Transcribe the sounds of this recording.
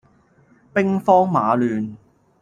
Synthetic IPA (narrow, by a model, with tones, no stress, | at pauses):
pɪ˥ŋfɔː˥ŋmaː˨˧lyː˨n